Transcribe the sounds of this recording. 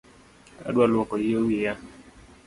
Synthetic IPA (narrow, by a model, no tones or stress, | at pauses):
a̰dwalwɔkɔjiowija